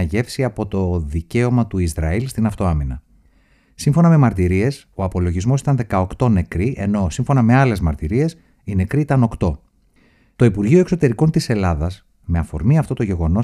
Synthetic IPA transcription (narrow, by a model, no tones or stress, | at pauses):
ɐʝe̞fsiɐpo̞t̪o̞ðice̞o̞mɐt̪uizɾɐilst̪inɐft̪o̞ɐminɐ̰ | siɱfo̞nɐme̞mɐɾt̪iɾie̞s | o̞ɐpo̞loʝizmo̞si̥t̪ɐnðe̞kɐo̞kt̪o̞ne̞kɾiʔe̞̰no̞siɱfo̞nɐme̞ɐle̞zmɐɾt̪iɾie̞s | inekɾiit̪ɐno̞kt̪o̞ | t̪o̞ipuɾʝioe̞kso̞t̪e̞ɾiko̞nt̪ise̞lɐðɐs | me̞ɐfo̞̰ɾmiɐft̪o̞t̪o̞ʝe̞ɣo̞no̞